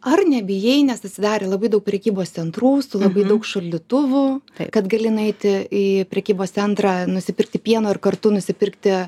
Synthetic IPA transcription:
ɐrnʲɛbʲɪjɛɪnʲɛsɐt̪ʲsʲɪd̪ɑːɾʲeːlˠɐbɐɪd̪ɐʊk̚pʲɾʲɛkʲiːboːst̪sʲɛnt̪ɾuːsʊlˠɐbɐɪd̪ɐʊkʃolʲd̪ʲɪt̪ʊʋʊɐkɐt̪ɡɐlʲɪnʊɛɪt̪ʲɪiːpʲɾʲɛkʲiːboːst̪sʲɛnt̪ɾɑːnʊsʲɪpʲɪrk̚t̪ʲɪpʲiɛnoːɪrkɐrt̪ʊnʊsʲɪpʲɪrkt̪ʲɪ

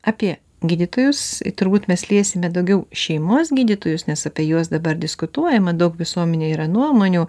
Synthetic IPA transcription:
ɑːpʲiɛ | ɡʲiːd̪ʲɪt̪oːjʊst̪ʊɾbuːt̪mʲɛslʲiɛsʲɪmʲɛd̪ɐʊɡʲɛʊʃʲɛɪmoːsɡʲiːd̪ʲɪt̪oːjʊsnʲɛsɐpʲiɛjuɔs̬d̪ɐbɐɾd̪ʲɪskʊt̪uɔjɛmɐd̪ɐʊkʋʲɪsuɔmʲɛnʲeːiːɾɐnuɔmoːnʲuː

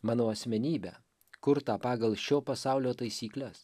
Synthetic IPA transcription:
mɑːnoːɐsʲmʲɛnʲiːbʲæ̰ː | kʊɾt̪ɑːpɑːɡɐlˠʃʲoːpɐsɑˑʊlʲoːt̪ɐɪsʲiːklʲɛs

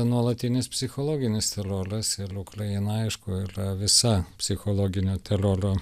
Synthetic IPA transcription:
nuɔlˠɐt̪ʲɪnʲɪspʲsʲɪxoːlˠoːɡʲɪnʲɪst̪ʲɛɾoːɾɐsɪɾʊkɾɐjɪnɐɐɪʃkʊːiːɾɐʋʲɪsɐpʲsʲɪxoːlˠoːɡʲɪnʲoːt̪ʲɛɾoːɾoː

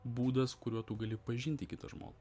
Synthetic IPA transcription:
buːd̪ɐskʊɾʲuɔt̪uːɡɐlʲɪpɐʒʲɪnʲt̪ʲɪkʲɪt̪ɐ̰ʒmo̰ːlˠ

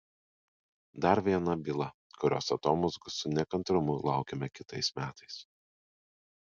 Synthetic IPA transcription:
d̪ɐɾʋʲiɛnɐbʲilˠɐ | kʊɾʲo̰ːsɐt̪oːmʊzɡʊsʊnʲɛkɐnt̪ɾʊmʊlˠɑˑʊkʲɛmʲɛkʲɪt̪ɐɪsmʲæːt̪ɐɪs

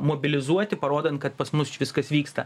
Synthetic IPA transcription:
moːbʲɪlʲɪzuɔt̪ʲɪpɐɾoːd̪ɐnt̪̚kɐt̪pɐsmʊst͡ʃʲʋʲɪskɐsʋʲiːkst̪ɐ̰

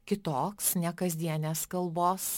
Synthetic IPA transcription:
kʲɪt̪oːksnʲɛkɐzʲd̪ʲiɛnʲeskɐlˠboːs

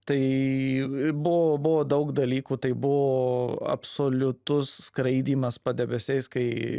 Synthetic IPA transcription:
t̪ɐɪ | bʊʋoːbʊʋoːd̪ɐʊkd̪ɐlʲiːkuːt̪ɐɪbʊʋoːɐ̰psoːlʲʊt̪ʊsːkɾɐɪd̪ʲiːmɐspɐd̪ʲɛbʲɛsʲɛɪskɐɪ

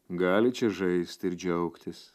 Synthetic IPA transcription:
ɡɑːlʲɪt͡ʃʲɛʒɐɪsʲt̪ʲɪɾd͡ʒʲɛʊkt̪ʲɪs

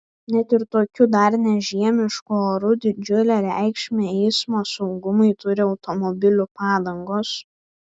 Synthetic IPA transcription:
nʲɛt̪ɪɾt̪oːkʲʊd̪ɐɾnʲɛʒʲiɛmʲɪʃkʊoːɾʊd̪ʲɪd͡ʒʲʊlʲɛːɾʲæ̰ˑɪkʃʲmʲeɛɪsmoːsɔʊɡʊmʊɪt̪ʊɾʲɪɒʊt̪ɔmɔbʲɪlʲʊpɑːd̪ɐŋɡoːs

